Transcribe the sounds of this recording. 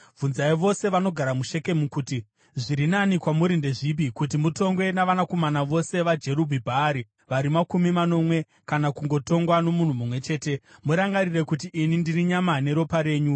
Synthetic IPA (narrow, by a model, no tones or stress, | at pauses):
vʱunzaiʋo̞se̞ʋano̞ɡʱaɾamuʃe̞ke̞mukuti | ʐiɾinanikwamuɾinde̞ʐip̬ikut̬imuto̞ŋɡwe̞naʋanako̞manaʋo̞se̞ʋad͡ʒe̞ɾubʱibʱaːɾi | ʋaɾimakumimano̞mwe̞ | kanakuŋɡo̞to̞ŋɡwano̞mun̤umumwe̞t͡ʃe̞ːte̞muɾaŋɡarire̞kut̬iʔinindiriɲamane̞ɾo̞paɾe̞ːɲu